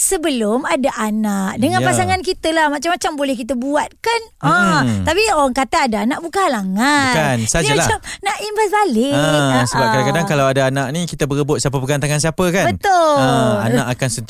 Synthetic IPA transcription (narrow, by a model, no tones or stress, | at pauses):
səbəlʊmadaʔanaʔ̚dəŋãnpasaŋankit̪əlahmat͡ʃamːat͡ʃambolɛhkit̪əbuat̪̚kanə̃t̪apioɾaŋkat̪aːdaanaʔbukanalaŋakansad͡ʒalasanaʔimbasbalɪəsəbap̚kadãŋkadaŋkalawadaːnaʔnĩkit̪əbəɾəbʊt̪̚siapəpəkant̪aŋans̬iapəkanbənt̪ʊla̰naʔakansənt̪